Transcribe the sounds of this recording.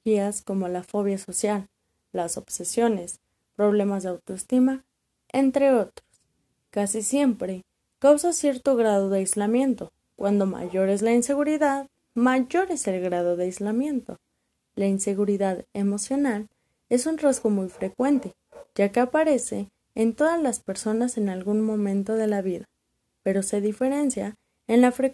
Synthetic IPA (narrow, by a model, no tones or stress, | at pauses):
iasko̞mo̞lafo̞β̞jaso̞sjalː | aso̞βsesjo̞ne̞s | pɾo̞β̞le̞mazðeawt̪oest̪ima | ent̪ɾe̞o̞t̪ɾo̥s | kasisje̞mpɾe̞ | kawsasje̞ɾt̪o̞ɣɾað̞oðeajzlamjẽ̞nt̪o̞ | kwand̪o̞ma̰ʝo̞ɾe̞zlainse̞ɣuɾiðað | maʝo̞ɾe̞se̞lɣɾað̞o̞ðeajzlamjẽ̞nt̪o̞̰ | lainse̞ɣuɾiðaðe̞mo̞sjo̞nal | e̞sunrazɣo̞mujfɾe̞kwe̞nt̪e̞ | ʝake̞apaɾe̞se̞ː | nt̪o̞ðazlaspe̞ɾso̞nase̞nalɣunmõ̞mẽ̞nt̪o̞ð̞e̞laβiða | pe̞ɾo̞se̞ðife̞ɾe̞nsja | enlafɾe